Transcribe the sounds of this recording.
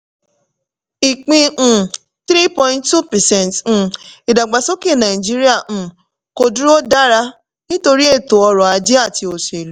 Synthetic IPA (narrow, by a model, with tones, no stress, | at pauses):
i˨k͡pĩ˧˨ | θɾi˦pɔ̃˧ĩ˧ntːu˦pɛ˨sɛ̃˦nt̩ː˨i˨da˨ɡ͡ba˨so˦ki˦˨nã˨i˨d͡ʒi˦ɾi˦ã˦˨ | ko˧du˦ɾo˦da˦ɾa˦ | nĩ˦to˧ɾi˦e˦˨to˨ɔ˧ɾɔ̃˨a˨˧d͡ʒe˦a˦˨ti˧o˨se˨lu˨˦